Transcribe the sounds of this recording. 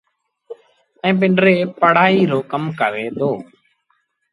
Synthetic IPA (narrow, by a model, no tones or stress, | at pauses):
ɛ̃ːp̬ɪɳɖɾeːpəɽ̤aːiːɾoːkəmkəʋeːd̪oː